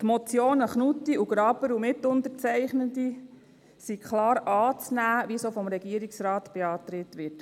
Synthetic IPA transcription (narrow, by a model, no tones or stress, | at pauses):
t̪mɔt͡sjoːnəχnut̪ːiʔuɡ̥ɾɑːbəɾumɪtʊnt̪əɾt͡sɛɪχnədi | sikχlɑːɾɑːt͡snæːʋisofɔmɾɛɡ̥iəɾiksɾɑːtb̥eɑːtɾɪtʋɪt